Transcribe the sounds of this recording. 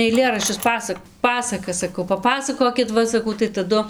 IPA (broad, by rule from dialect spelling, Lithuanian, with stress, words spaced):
ɐɪˈlʲeːrɐʃʲt͡ʃʲʊs ˈpɑːsɐk ˈpɑːsɐkɐs sɐˈkɐʊ pɐˈpɑːsɐkoːkʲɪt ˈʋɐ sɐˈkɐʊ tɐɪ tɐˈdʊ